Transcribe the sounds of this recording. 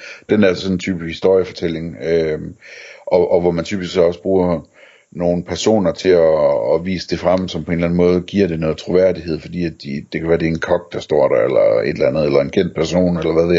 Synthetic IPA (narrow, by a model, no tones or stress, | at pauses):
d̥enæɐssɒ̽nn̩t͡sʰyːbishisd̥o̝ɐ̰jəfɒ̽t͡sʰel̰e̝ŋømʔɒ̽ʔɒ̽ʋɒmænt͡sʰy̰b̥isɡ̥sɒ̽səb̥ʁuːɐ | no̝ːn̩pʰæɐso̝̰ːnɐt͡sʰe̝ɒːʋḭːsə̥d̥e̝fʁam̰sɒ̽mpʰɒ̽e̝nlæn̩mɔ̽ːð̞ˠɡ̥iɐ̰ɾ̥e̝nɔ̽ːð̩ˠt͡sʰʁo̝ʋæɐ̰d̥iheð̞̰ˠfɒ̽d̥ḭːæd̥id̥e̝kʰæʋæːɐd̥e̝enkʰɒ̽ɡ̥d̥ɑ̈sd̥ɒ̰ːɾ̥ɑelɐe̝d̥lænð̞̩ˠelɐe̝nkʰen̰d̥̚pʰæɐso̝̰ːnelɐʋæðˠ